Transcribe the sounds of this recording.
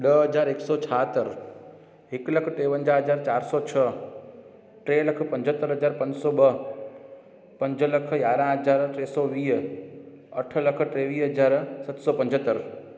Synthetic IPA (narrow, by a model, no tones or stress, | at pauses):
ɗəɦɐzaːɾeksɔːt͡ʃʰaɦt̪əɾ | ɦɪkləkʰʈeːʋə̃ɲd͡ʒaɦəd͡ʑaːɾt͡ɕaːɾsɔt͡ɕʰə | ʈɾeːləkʰpɐ̃ɲd͡ʑʱət̪ːəɾɦəzaːɾpɐ̃ɲd͡ʑsɔɓə | pɐ̃ɲd͡ʒləkʰjaːɾãɦəzaːɾʈɾeːsɔʋiːɦ | ɐʈʰə̆ləkʰʈɾeːʋiːɦɐzaːɾsɐt̪sɔːpɐ̃ɲd͡ʒʱət̪ːəɾ